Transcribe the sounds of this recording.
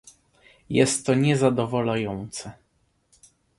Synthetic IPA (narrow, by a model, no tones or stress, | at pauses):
jɛst̪ːɔɲɛzad̪ɔvɔlajɔnt̪sɛ